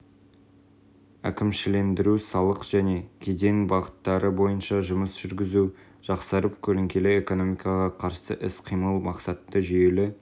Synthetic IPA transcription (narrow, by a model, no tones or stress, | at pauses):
ækʲɪmʃɪle̞nd̪ɪɾusɑlˠəqʒ̥æne̞kʲʰe̞d̪e̞ŋbɑʁə̥t̪ːɑɾəbo̞jənʃɑʒʊməsʒ̥ʏɾɡʲɪzu | ʒ̥ɑqsɑɾəpkʲʰɵlɪŋkʲe̞lee̞ko̞no̞mijkɑʁɑqʰɑɾsə̰ʔɪsqʰijməlˠmɑqsɑt̪ːəʒje̞lɪ